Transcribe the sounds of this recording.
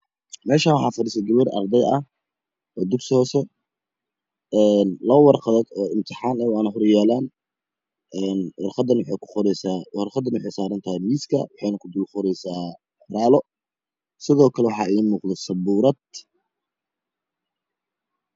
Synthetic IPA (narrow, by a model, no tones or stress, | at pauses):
mɛːʃaːwɑħɑːfɐɾiːsɛɡɐβɛrɐ̰rd̪ɛjɐh | ɔːd̪ʊɡsɪhɔːsɛ | ɛːnlɐɐwɑrqɑðɐd̪ɔːɪmt̪ʰɪħɑːnɐwɑːnɐɦɔrjaːlaːn | ɛːnwɑrqɑd̪ɐnwħɛjkʰʊ̥ɔɾɛsaːhɔrχɑd̪ɐnwʊħɛjsaːɾɐnt̪ʰɐhɛjmiːskʰɐ̰wɑħɛjnɐkʰʊd̪ʊlqɔɾɛjsaː | raːlɔ | sɪðɔːkʰɐlɛwɑħɑːɪiːmuːqd̪ɛsɐbuːɾɐd̪